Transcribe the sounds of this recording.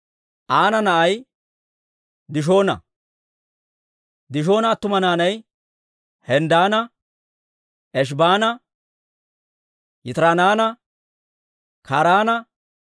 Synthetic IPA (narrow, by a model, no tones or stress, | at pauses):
ʔaːnɐnɐʔɐj | d̪ɪʃ̬o̞ːnɐ̰ | d̪ɪʃ̬o̞ːnɐːt̪ːʊmɐnaːnɐj | hɛnd̪aːnɐ | ʔɛʃ̬baːnɐ | jɪt̪ɾaːnaːnɐ | kʰaːɾaːnɐ